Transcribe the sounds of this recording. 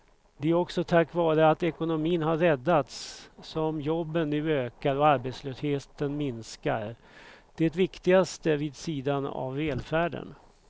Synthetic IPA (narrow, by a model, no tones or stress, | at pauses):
d̪ɛæɾɔksɔt̪ʰakːvɑːɾəat̪ɛkʊnʊmiːnɦaɾːɛd̪ːat̪sːɔmjɔbːənːʉ̟ːøːkaɾɔaɾbeːt̪sløːsheːt̪ənmɪnska̰ɾ | d̪̥ɛt̪vɪkt̪ɪɡast̪əviːd̪siːd̪ana̰vːɛːlfæːɖə̰n